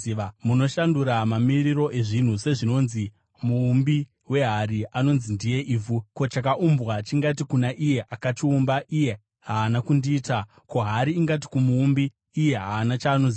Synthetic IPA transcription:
iʋamuno̞ʃanduɾamamiriro̞ʔe̞ʐin̤use̞ʐino̞ːnzi | muːmbi | we̞ɦaɾiʔano̞nzindije̞ʔiːvuko̞t͡ʃak̬aʔumbwat͡ʃiŋɡatikunaʔije̞ʔakatiumbaʔije̞ | ɦaːnakundiːta | ko̞ɦaɾiːŋɡati̥kumuːmbiː | je̞ɦaːnat͡ʃaːnonzi

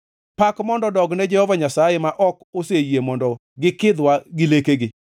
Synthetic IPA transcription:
pakmɔndɔdɔɡnɛd͡ʒɛhɔvaɲasajɛmaʔɔkosejemɔndɔ | ɡɪkɪd̪waɡɪlekeɡɪ

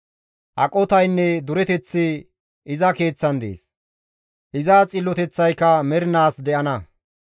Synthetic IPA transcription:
ʔɐkʼɔt̪ɐjnːɛd̪ʊɾɛt̪ɛt͡sːɪ | ɪzɐke̞ːt͡sːɐnd̪ḛːs | ʔɪzat͡sʼɪlːɔt̪ɛt͡sːɐjkːɐmɛɾɪnaːsd̪ɛʔɐnɐ

